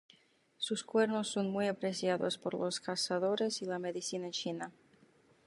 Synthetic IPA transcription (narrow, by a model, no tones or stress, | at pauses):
suskweɾnosːonmujapɾesjaðospoɾloskasaðo̞ɾesilameðisinat͡ʃina